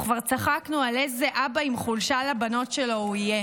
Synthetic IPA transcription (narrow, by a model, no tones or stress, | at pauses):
kvaʁt͡saχaknualezeʔabaimχulʃalabano̞tʃe̞lo̞uije